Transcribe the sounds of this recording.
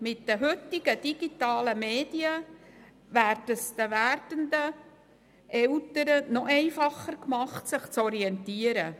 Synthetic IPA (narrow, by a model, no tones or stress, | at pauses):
mɪtd̥əɦʏt̪ːɪɡ̥əd̥iɡ̥itɑːləmeːd̥iə | ʋæːrdəsd̪əʋærdənd̪ə | ʔɛltəɾənɔʔɛɪfɑχəɾkmɑχtsɪχt͡sɔɾiɛntiːəɾə